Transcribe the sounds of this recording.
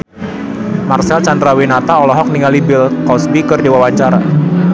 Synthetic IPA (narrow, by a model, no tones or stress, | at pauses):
marsɛlt͡ʃandɾawinat̪aɔlɔɦɔk̚niŋalibɪlkɔsbikɨrdewawaɲt͡ʃaɾa